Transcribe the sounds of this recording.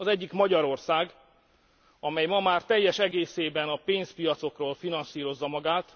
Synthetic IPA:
ɒzɛɟːikmɒɟɒɾo̞rsaːɡ | ɒmɛjmɒmaːrt̪ɛjːɛʃɛɡeːseːbɛnɒpeːnspijɒt̪so̞kroːlfinɒnsiːɾo̞zːɒmɒɡaːt̪

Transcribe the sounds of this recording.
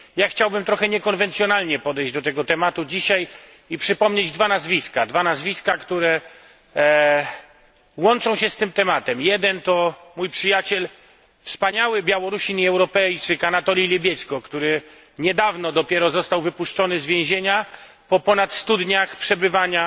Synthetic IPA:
jaxt͡ɕawbɘmt̪ɾɔxɛɲɛkɔnvɛnt̪sʲjɔnalɲɛpɔd̪ɛjd͡ʑd̪ɔt̪ɛɡɔt̪ɛmat̪ud͡ʑiɕaj | ipʂɘpɔmɲed͡ʑd̪vanazvʲiskad̪vanazvʲiskakt̪uɾɛ | wɔnt͡ʂɔ̃w̃ɕɛst̪ɘmt̪ɛmat̪ɛmjɛd̪ɛnt̪ɔmujpʂɘjat͡ɕɛl | fspaɲawɘbʲjawɔɾuɕiɲiɛwɾɔpɛjt͡ʂɘkanat̪ɔlʲilʲebʲjɛt̪skɔkt̪uɾɘ | ɲɛd̪avnɔd̪ɔpʲjɛɾɔzɔst̪awvɘpuʂt͡ʂɔnɘzvʲjɛ̃w̃ʑeɲa | pɔpɔnat̪st̪ud̪ɲaxpʂɛbɘvaɲa

